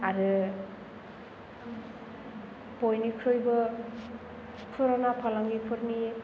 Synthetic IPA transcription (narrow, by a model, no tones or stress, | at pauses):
aɾɯ | pojnikʰɾojbɯ | pʰɯɾanapʰalaŋɡipʰɯɾni